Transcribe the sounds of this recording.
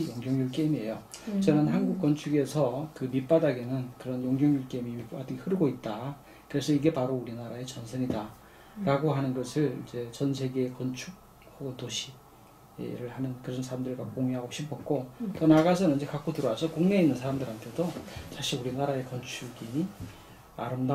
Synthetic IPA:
joŋɡjʌŋjuɭk͈emie̞jot͡ɕʌnɯnɦanɡuk͈̚ʌnt͡ɕʰuɡe̞sʰʌkɯmip͈adaɡenɯnkɯɾʌnjoŋɡjʌŋjuɭk͈e̞mimip͈adaɡehɯɾɯɡoit̚t͈a | kɯɾesʰʌiɡe̞paɾouɾinaɾae̞t͡ɕʌnsʰɯɲida | ɾaɡoɦanɯnɡʌsʰɯɭḭd͡ʑe̞t͡ɕʌns̬ʰe̞ɡekʌnt͡ɕʰuk̚ | haɡotoɕʰi | ḛɾɯɭhanɯnkɯɾʌnsʰaɾamdɯɾɡakoŋiɦaɡoɕʰipʰʌk̚k͈otonaɡas̬ʰʌnɯnid͡ʑe̞kak͈otɯɾʌɡasʰʌkoŋne̞inːɯnsʰaɾamdɯɾɦantʰe̞dot͡ɕaɕʰiuɾinaɾae̞kʌnt͡ɕʰuɡi | a̰ɾɯmda

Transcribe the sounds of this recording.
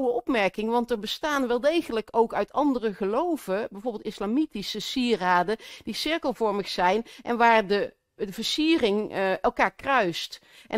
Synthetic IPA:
wəʔɔpmɛɹkɪŋʋɑntɛɹbəstaːnʋɛlˠdejχələkowkœɥtɑndərəχəlowvəbɛjvoːɹbɪːlˠtɪslamitisəsiːraːdəd̥isɪɹkəlˠvɔɹməχsɛjnʔɛ̰nʋaːɹdə | v̥əɹsiːrɪŋɛlˠkaːɹkrœɥst | ʔɛ

